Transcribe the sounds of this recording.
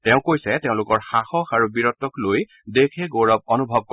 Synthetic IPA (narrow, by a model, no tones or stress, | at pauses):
tɛʊ̃kojsɛteʊ̃lʊkɔɹxaxɔkaɹubiɹɔtːɔkloj | dekʰɛɡoɹɔb̚ɔnubʱɔb̚kɔ